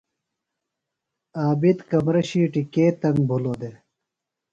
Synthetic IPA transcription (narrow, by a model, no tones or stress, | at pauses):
aːbit̪kɐmɾɐɕiːʈikeːt̪ɐŋɡ̚bʱuloːd̪e